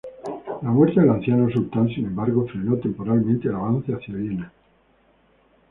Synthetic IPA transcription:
lamweɾθjaðelan̟θjanosult̪ansinẽ̞mbaɾɣo̞fɾe̞not̪e̞mpo̞ɾalmẽnt̪eelaβ̞anθeaθjaβjena

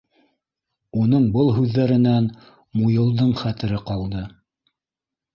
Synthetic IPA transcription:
unɤɴbɤlˠɦʉðːæɾɘ̆næn | mujɤ̆lˠd̪ɤɴχæt̪ɘ̆ɾɘqɑlˠd̪ɤ

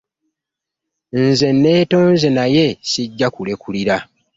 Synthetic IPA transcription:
nze̞nːe̞ːto̞ːnze̞naje̞siɟːakule̞kuliɾa

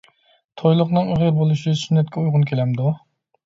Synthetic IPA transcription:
t̪ʰojlˠʊqnɨŋyʁəɾbolˠuʃɪsynːɛt̪kʲʰɛujʁʊnkʲʰelɛmd̪u

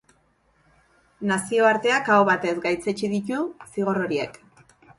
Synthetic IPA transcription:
nasio̞aɾt̪e̞akaoβat̪e̞zɡajt͡set͡ʃiðicusiɣ̞o̞ro̞ɾie̞̰k

